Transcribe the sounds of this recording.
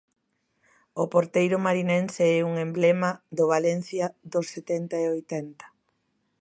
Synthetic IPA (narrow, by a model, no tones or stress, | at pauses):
opoɾt̪ejɾʊmaɾinɛnseɛuŋemblemaðʊβalɛn̟θjaðosːet̪ɛnt̪aeojt̪ɛnt̪ɐ̥